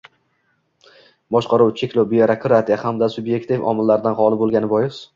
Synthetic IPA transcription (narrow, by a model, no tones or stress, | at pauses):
bɒʃqɑɾuwt͡ʃʰe̞kʲlowbɪjaɾakʰɾat̪ʰijahamd̪asʊbje̞kt̪ifɒ̰mɪlːaɾɪd̪anɦɒlˠɪbolˠɡʲanɪbɒjɪs